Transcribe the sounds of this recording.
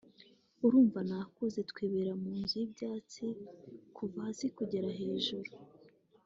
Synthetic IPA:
uɾuːɱvanakuze̞tkweːβeɾamuːnzujibjaːt͡sikʰuvazikuɟe̞ɾaɦe̞ːʒuɾu

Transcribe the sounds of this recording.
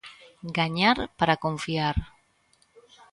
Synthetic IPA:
ɡaɲaɾpəɾakoɱfiaɾ

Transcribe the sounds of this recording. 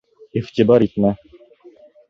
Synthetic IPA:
iʁt̪ʲibɑɾit̪mæ

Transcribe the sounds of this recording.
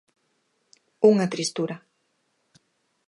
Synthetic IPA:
uŋɐt̪ɾist̪uɾɐ

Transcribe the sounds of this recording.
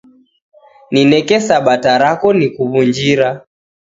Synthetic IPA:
ninɛkɛsaɓataɾakɔnikuβund͡ʒiɾa

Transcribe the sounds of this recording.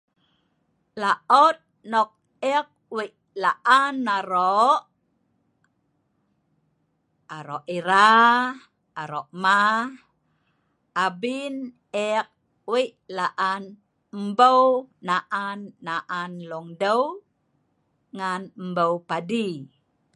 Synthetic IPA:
laʔɔt̪̚nɔk̚ | ɛk̚wiʔ | laʔanːaɾoʔ | aɾɔʔiɾa | aɾɔʔma | abin | ɛk̚ | wiʔlaʔan | mbəwnaʔanːaʔanlɔŋdəw | ŋanmbəwpadi

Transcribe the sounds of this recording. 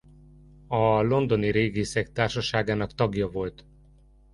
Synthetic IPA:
ɒlo̞nd̪o̞niɾeːɡiːsɛk̚t̪aːrʃɒʃaːɡaːnɒkt̪ɒɡjɒvo̞lt̪

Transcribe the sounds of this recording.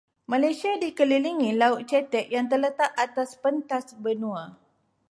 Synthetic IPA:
mãlajsiadikəliliŋĩlaut̪̚t͡ʃɛt̪ɛʔ̚jaŋt̪̬ərlət̪aʔat̪aspənt̪asbənũa

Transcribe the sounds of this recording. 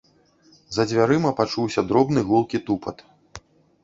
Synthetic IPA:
zɐd͡zʲvʲaɾɨmɐpat͡ʂuwsʲɐd̪ɾɔbnɨɣulˠkʲit̪upɐt̪

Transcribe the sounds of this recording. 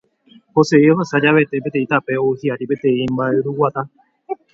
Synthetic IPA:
hoseioɦasad͡ʒaβe̞t̪e̞p̬et̪ẽĩt̪ape̞oɨhiaɾipe̞t̪ẽ̞ĩmbaeɾuwat̪a

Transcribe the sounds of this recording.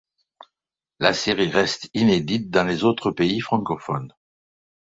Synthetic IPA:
laseʁiʁɛst̪ined̪it̪̚d̪ɑ̃lezot̪χəpeifχɑ̃kɔfɔn

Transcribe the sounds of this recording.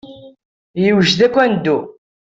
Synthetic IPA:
jəwʒðækʷːænd̪ːu

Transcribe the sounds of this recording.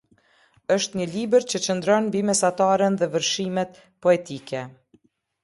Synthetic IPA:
əʃt̪ɲəlibəɾt͡ɕət͡ɕənd̪ɾɔnmbimɛsat̪aɾənðɛvəɾʃimɛt̪ | pɔɛt̪ikɛ

